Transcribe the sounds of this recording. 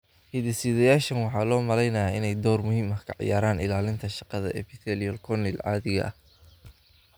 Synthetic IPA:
hiːðɪsiːðɐjaːʃɐnwɑħɑːlɔːmɐlɛjnɐjaːɪnɛjd̪ɔːrmʊhiːmɐhkʰɐʕɪ̰jaːɾaːnɪlaːlɪnt̪ʰɐʃɑqɑðɐ̰ʔɛ̰pɪθɛlijɔlkʰɔnɪlʕɑ̰ːðɪɣɐ̰ʔɐ̰h

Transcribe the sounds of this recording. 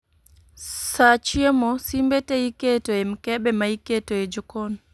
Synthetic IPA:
sat͡ʃiɔmɔsimbɛtɛjikɛtɔɛmkɛɓɛmaikɛtɔɛd͡ʒɔkɔn

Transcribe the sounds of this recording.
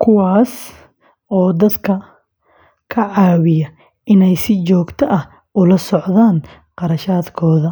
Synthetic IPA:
kʰʊwɑːs | ɔːd̪ɐd̪kʰɐ | kʰɐʕɑːwɪjɐ | ʔɪnɛjsɪt͡ʃɔːɡt̪ʰɐʔɐh | ʊlɐsɔʕðaːn | qɑɾɐʃaːd̪kʰɔːðɐ

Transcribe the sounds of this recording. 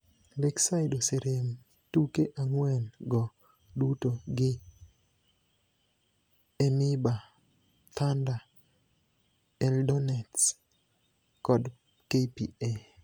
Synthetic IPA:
lɛksaɪdoseɾem | tukeʔaŋwɛnɡɔ | dutoɡɪ | ɛmɪba | t̪ʰanda | ɛldonɛts | kɔd | kepie

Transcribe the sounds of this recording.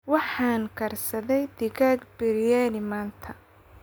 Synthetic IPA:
wɑħɑːŋkʰɐrsɐðɛjd̪ɪɣaːɡbɪɾɪjanɪmaːnt̪ʰɐ

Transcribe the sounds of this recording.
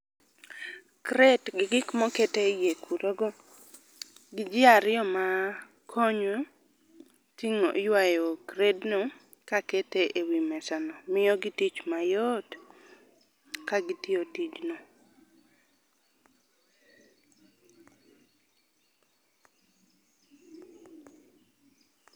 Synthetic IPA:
kɾedɡɪɡɪkmɔketejekʰuɾoɡɔ | ɡɪd͡ʒɪaɾɪjɔma | kʰɔɲo | tiŋo̰jwajokɾedno | kaketeʔewimɛsanɔmɪjɔɡɪtit͡ʃmajot | kaɡɪtjotit͡ʃno

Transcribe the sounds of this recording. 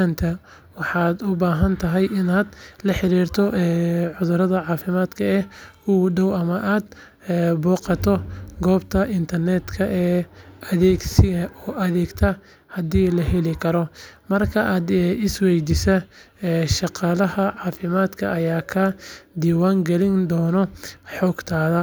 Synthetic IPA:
ant̪ʰɐ | wɑħɑːd̪ʊbaːɦɐnt̪ʰɐɦɛjʔɪnaːd̪lɐħɪɾiːrt̪ʰɔɛːʕʊðʊɾɐðɐʕɑːfɪmaːd̪kʰɐɛuɖɔwɐmɐʔaːd̪ː | bɔːqɑt̪ʰɔɡɔːbt̪ʰɐʔɪnt̪ʰɐrnɛːd̪kʰɐʔɛːʔɐðɛːɡsɪɐɔːʔɐðɛːɡt̪ʰɐ | hɐd̪iːlɐɦɛlɪkʰɐɾɔmɐrkʰɐʔaːd̪ɪswɛjd̪ɪsɐː | ʃɑqɑːlɐɦɐʕɑːfɪmaːd̪kʰɐːjaːkʰɐd̪iːwaːŋɡɛlɪnd̪ɔːnɔħɔːɡt̪ʰaːðɐ

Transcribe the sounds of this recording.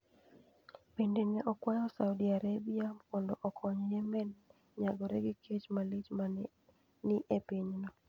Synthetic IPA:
pendenɛʔɔkwajɔsaudiaɾabiapɔndɔ̰ʔɔkʰɔɲɔjɛmɛn | ɲaɡɔɾɛɡikʰet͡ʃmalit͡ʃma | nɪʔepiɲnɔ

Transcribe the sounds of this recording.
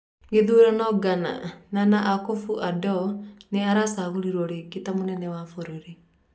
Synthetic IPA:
ŋɡeðuɾanɔɡana̰nanaʔakofuʔadɔneaɾasaɣuɾiɾwɔɾeketamonɛnɛwafoɾoɾi

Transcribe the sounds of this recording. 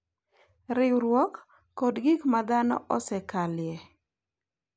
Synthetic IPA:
ɾɪwɾwɔkː | odɡikmad̪anɔ̰ʔɔsɛkalɪjɛ

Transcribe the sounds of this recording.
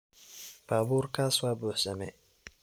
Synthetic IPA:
b̥aːβuːrkʰaːswaːbʊːħsɐmɛ̰

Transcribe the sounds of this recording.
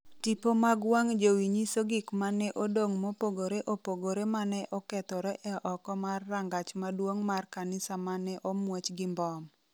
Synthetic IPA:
tipomaɡwaŋd͡ʒowiɲisoɡikmanɛʔodoŋmopoɡoɾeʔopoɡoɾemanɛʔɔkɛt̪ɔɾɛʔɛʔɔkɔmarːaŋɡat͡ʃmadwoŋmarkanɪsamanɛʔomwot͡ʃɡɪmbɔm

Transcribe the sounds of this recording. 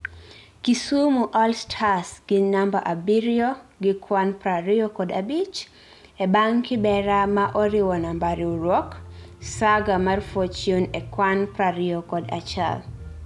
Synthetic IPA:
kisumuʔɔlstʰasɡ̥ɪnambaʔabiɾjɔɡɪkʰwanpɾaɾɪɔkɔda̰bit͡ʃ | ɛbaŋkɪbɛɾamaʔɔɾɪwɔnambaɾiuɾwɔksaɡamarfot͡ʃjonɛkwanpɾaɾɪɔkɔda̰t͡ʃa̰l

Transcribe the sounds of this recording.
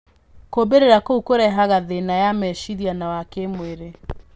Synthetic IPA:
kobeɾeɾakoukoɾɛɦaɣaðenajamɛʃiɾianawakemweɾe

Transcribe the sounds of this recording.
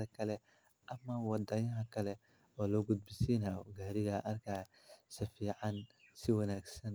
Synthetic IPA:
ɐkʰɐlɛ | ʔɐmɐwɑd̪ɐjɐɦɐkʰɐlɛ | ɔːlɔɡʊd̪̚bɪsiːnaɔɡaːɾɪɣɐʔɐrkʰaː | sɐfiːʕɑnsɪwɐnaːɡsɐn

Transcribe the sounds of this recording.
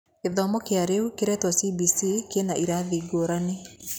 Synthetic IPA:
keðɔmɔkeaɾeukeɾɛtwasibisikenaʔiɾaðiɡoɾane

